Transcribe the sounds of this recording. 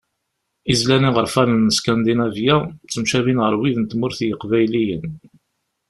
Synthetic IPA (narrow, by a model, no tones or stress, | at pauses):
izlæniʁəɾfæɾənːəskænd̪inævjæt͡sːəmʃævinʁəɾwiðnt̪mʊɾθjəqvæjlijə̰n